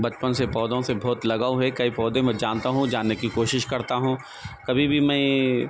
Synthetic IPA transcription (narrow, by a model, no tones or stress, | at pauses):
bɐt͡ʃpənsepɔːd̪õsebʱɔːt̪lɐɡaːuɦɛkɐipɔːd̪ẽmɛ̃d͡ʒaːnt̪aɦũd͡ʒaːnːekikoːʃɪʃkɐɾt̪aɦũ | kɐbʱibʱimɛ̃ː